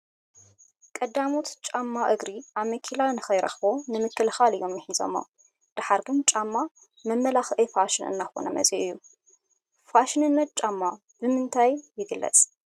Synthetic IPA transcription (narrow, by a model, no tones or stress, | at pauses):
kʼɐd̪amot̪t͡ʃʼamːaʔɨɡɾiaβmɐkʰilanɨxɐjɾɐ̰xbonɨmɨkʰːɨlxalɨjːo̞mjɐħizo̞̰mːo | d̪̥aħaɾɡɨnt͡ʃʼamːa | mɐmːɐlaxʔɐjfaʃɪnɨ̰nːaxo̞̰nɐmɐ̰t͡sʼiʔɨjːu | faʃɨnɨnːɐt̪̚t͡ʃʼamːa | b̥ɨmɨnt̪ʰajːɪɡɨlːɐ̰t͡sʼ